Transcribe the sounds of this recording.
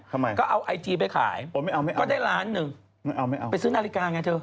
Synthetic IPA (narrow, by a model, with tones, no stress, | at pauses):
a˧ma˧jkɔː˥˩ʔa˧wʔa˧jt͡ɕiː˧p̬a˧jkʰa̰ː˩˦jo˧˩ma˥˩jʔa˧wma˥˩jʔɔː˥˩daː˥˩jɾaː˦˥nːɯ˨˩ŋ | ma˥˩jʔa˧wma˥˩jʔa˧pa˧jsɯː˦˥˩naː˧li˦kaː˧ŋaː˧jt̪ʰɤː˧